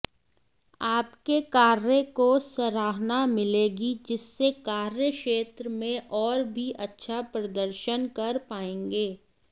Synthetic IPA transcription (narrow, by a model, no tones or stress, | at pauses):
aːpkekaːɾjəkosɐɾaːɦnamɪleːɡid͡ʒɪsːekaːɾjəkʃeːt̪ɾəmẽʔɔːɾbʱiʔɐtːʃʰapɾɐd̪əɾʃənkɐɾpaːẽːŋɡeː